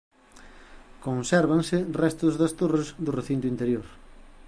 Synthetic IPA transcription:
konsɛɾβaŋsɪrɛst̪ʊzðɐst̪orezðʊreθint̪ʊint̪eɾjoɾ

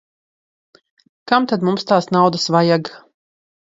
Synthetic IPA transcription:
kamt̪ad̪mumst̪aːsnawd̪asvajaɡ

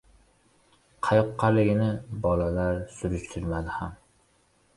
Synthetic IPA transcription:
qʰɑjɒqʰːɑlɪɡʲɪnɪbɒlalaɾsʊɾʊʃt̪ʰʊɾmad̪ɪham

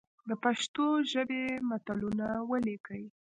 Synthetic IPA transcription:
d̪əpaʃt̪oʒəbemat̪alunawəlekəj

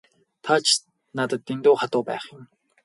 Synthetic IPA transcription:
t̪ʰat͡ɕʰ | nat̪ə̆t̪ːint̪ʊːχat̪ʊːpæ̰ːχjʊ̆m

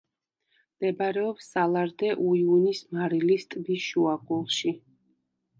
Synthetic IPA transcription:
md̪̥ɛbɾɛɔpsːalˠaɾd̪ɛʔuiunismaɾilist̪ʼbiʃuaɡulˠʃi

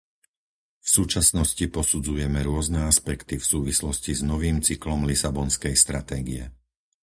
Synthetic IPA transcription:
fsuːt͡ʃasnɔscipɔsud͡zujɛmɛɾʊɔznɛaspɛkt̪ifsuːʋislɔsciznɔʋiːmt͡siklɔmlisabɔnskɛjst̪ɾat̪ɛːɡḭɛ̰

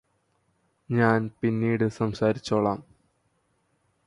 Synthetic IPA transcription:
ɲaːnpinːiːɽɨsɐmsaːɾit͡ɕːoːɭaːm

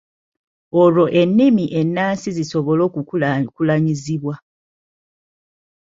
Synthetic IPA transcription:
olo̞ʔe̞nːimiʔe̞nːaːnsiziso̞βo̞lo̞ːkkulaɲiziβwa

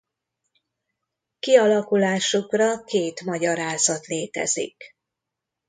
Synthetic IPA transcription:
kiɒlɒkulaːʃukrɒkeːt̪mɒɟɒɾaːzɒt̪leːt̪ɛ̰zḭk

